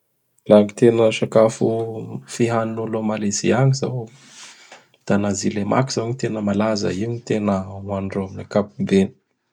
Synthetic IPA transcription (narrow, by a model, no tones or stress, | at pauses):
laɲit̪enəʃakafufiɦaninulomalezḭaɲizaw | d̪̥anazilemʔa̰kiz̥awɲit̪enəmalazə̰iuɲit̪enəwaɳɖ͡ʐoaminakapubeni̥